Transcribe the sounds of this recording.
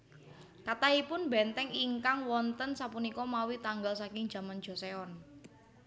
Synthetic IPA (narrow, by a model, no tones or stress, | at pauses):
kat̪aipʊnbɛnt̪ɛŋiŋkaŋwɔnt̪ənsapunikɔmawit̪aŋɡalsakɪŋ̥ʒ̥ä̤mand̥d͡ʒ̥ɔ̤seɔn